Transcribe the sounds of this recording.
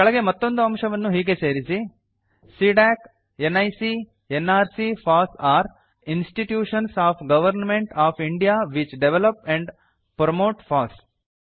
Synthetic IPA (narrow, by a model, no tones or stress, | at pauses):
kɐɭɐɡe̞mɐt̪ːo̞nd̪uɐmʂɐʋɐnːuɦiːɡe̞seːɾisi | siɖaːk | enːɐjsi | enːaːɾsipʰaːsaːɾ | insʈiʈjuːʂɐnsaːpʰɡɐʋɐɾnmeɳʈaːpʰiɳɖijaːʋit͡ʃɖeʋelɐpɛ̃ɳɖ | pɾɐmoːʈfaːs